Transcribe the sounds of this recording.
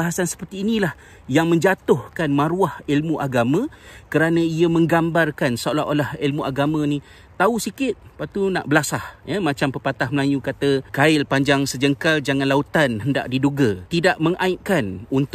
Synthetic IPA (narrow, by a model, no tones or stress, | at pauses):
aɦasansə̥pərt̪iːnilah | jaŋmə̃ɲd͡ʒat̪ʊhkanmãɾuahilmũʔaɡamãkəɾanə̃iəmə̃ŋɡambarkansolaolahilmuʔaɡamə̃nĩ | t̪ausikɪt̪̚pat̪una̰ʔbəlasahjəmat͡ʃampəpat̪ahməlajukat̪əkaɪlpaɲd͡ʒaŋsəd͡ʒəŋkald͡ʒaŋãnlaut̪anɦənda̰ʔdiduɡat̪idaʔməŋʔãɪʔ̪̚kanunt̪